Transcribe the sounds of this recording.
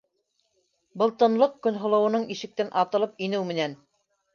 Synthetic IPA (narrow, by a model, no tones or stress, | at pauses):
bɤlˠt̪ɤ̆nlˠɤqkɵ̆nɦŏlˠɤ̆wɤ̆nɤɴiʃɘ̆k̚t̪ænʔɑt̪ɤ̆lˠɤp̚inɘwmɘ̆næn